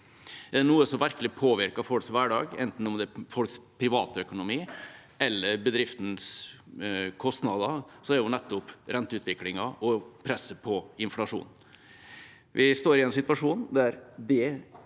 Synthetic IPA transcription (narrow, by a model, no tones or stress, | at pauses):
ɛɖɛnuːəsɔmʋæɾklɪpʰoːʋɪɾkɑfɔlsʋæːɖɑ̰ːɡɛ̰nt̪n̩ɔmd̪ɛæfɔlkspʰɾɪʋɑːt̪œkʊnʊmiː | ʔɛlːəɾbəd̪ɾɪft̪n̩s | kʰɔst̪nɑd̪ɑsɔɛɾjʊnɛt̪ːʊpɾɛnt̪əʉːt̪ʋɪklɪŋɑʔɔpʰɾɛsːəpʰɔɪnflɑʂṵːn | ʋʔɪst̪oːɾɪɛnsɪt̪ʋɑʂuːnd̪æɾd̪ɛ